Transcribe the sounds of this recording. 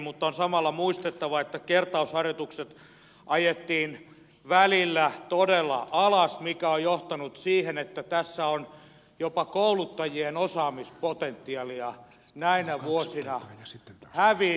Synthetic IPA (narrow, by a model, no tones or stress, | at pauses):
mut̪ːonsɑmɑlːɑmuist̪et̪ːɑʋɑet̪ːækert̪ɑushɑrjot̪ukset̪ | ʔɑjet̪ːiːn | ʋælilːæt̪odelːɑ̰ʔɑlɑsmikæojjoht̪ɑnut̪siːhenet̪ːæt̪æsːæon | jopɑkoulut̪ːɑjienosɑːmispot̪ent̪ːiɑliɑ | næinæʋuosinɑ | hæʋi